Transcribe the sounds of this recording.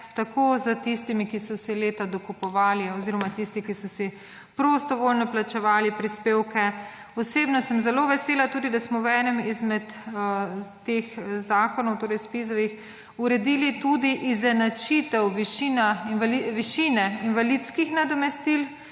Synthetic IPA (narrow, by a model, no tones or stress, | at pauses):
t̪akozət̪ist̪imikisɔsileːt̪ad̪ɔkupɔʋaːliɔziːɾɔmat̪ist̪ikisɔsi | pɾost̪ɔʋolnɔplat͡ʃɛʋaːlipɾispeːwkɛ | ɔseːbnɔsəmzɛloʋɛseːlat̪uːd̪id̪asmɔwɛːnɛmizmɛt̪ | t̪exzaːkɔnɔwt̪oːɾɛjspizɔʋix | uɾɛd̪iːlit̪ud̪iʔizɛnat͡ʃit̪ɛwʋiʃinaliʋiʃinɛinʋalit̪skixnad̪ɔmɛst̪il